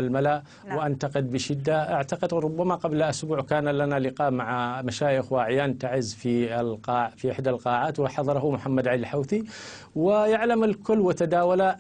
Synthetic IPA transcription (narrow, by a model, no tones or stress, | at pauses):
almalaʔ | wɪʔant̪aqɪd̪̚bɪʃɪd̪ːaʔaʕt̪aqɪd̪ɾˤʊbːamaqɑblʔʊsbuːʕkaːnalanalɪqɑːʔmaʕamaʃaːjɪxwʔaʕjaːnt̪aʕɪzfilqɑːfiʔɪħd̪alqɑːʕaːt̪wɪħɑðˤɑɾˤɑɦʊmʊħamːad̪ʕallħawθi | wɪjaʕlamalkʊlːwɪt̪ad̪aːwala